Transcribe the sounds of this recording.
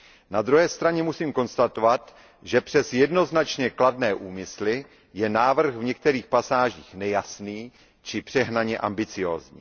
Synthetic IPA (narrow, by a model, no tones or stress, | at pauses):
nad̪ɾuɦɛːst̪ɾaɲɛmusiːmko̞nst̪at̪ovat̪ | ʒɛpr̝̥ɛsjɛdno̞znat͡ʃɲɛkladnɛːʔuːmɪslɪ | jɛnaːvr̩xvɲɛk̚t̪ɛɾiːxpasaːʒiːxnɛjasniː | t͡ʃɪpr̥ɛɦnaɲɛʔambɪt͡sɪjo̰ːzɲḭː